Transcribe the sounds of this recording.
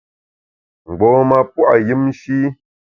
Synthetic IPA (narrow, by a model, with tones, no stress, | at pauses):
ŋ͡m̩˨ɡ͡bɔː˨˦ma˨pwa˨jɨ˦m˦ʃi˦